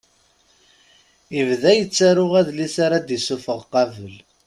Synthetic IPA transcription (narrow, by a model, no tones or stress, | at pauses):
ivðæjət͡sːaɾʊʁæðlisaɾad̪isufəʁqɑvəl